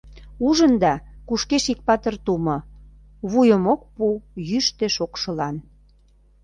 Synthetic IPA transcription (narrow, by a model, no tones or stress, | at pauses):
uʒənd̪ɑkuʃkeʃik̚pɑt̪ərt̪umɤ̆ | βujəmok̚pujyʃt̪eʃokʃə̆lɑn